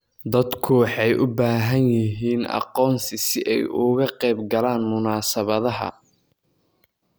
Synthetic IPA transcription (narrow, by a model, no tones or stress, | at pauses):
d̪ɐd̪kʰʊwɑħɑjʔʊbaːɦɐnjɪɦiːnɑ̰qɔːnsɪsɪʔɛjʊɣɐqɛjbɡɐlaːnmʊnaːsɐβɐðɐɦɐ̰